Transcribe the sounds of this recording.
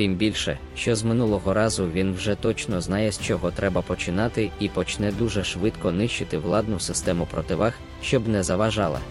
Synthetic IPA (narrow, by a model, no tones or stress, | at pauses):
t̪ɪmbʲilʲʃɛ̰ | ʃt͡ʃɔzmɪnulˠɔɦɔɾɑzʊʋʲinwʒɛt̪ɔt͡ʃnɔznɑjɛsʲt͡ʃɔɦɔt̪ɾɛbɐpɔt͡ʃɪnɑt̪ɪipɔt͡ʃnɛd̪uʒɛʃʋɪt̪kɔnɪʃt͡ʃɪt̪ɪwlˠɑd̪nʊsɪst̪ɛmʊpɾɔ̰t̪ɪʋɑx | ʃt͡ʃɔbnɛzɐʋɐʒɑlˠɐ̰